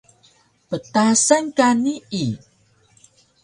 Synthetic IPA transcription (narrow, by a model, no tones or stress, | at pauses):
pət̪asənkanii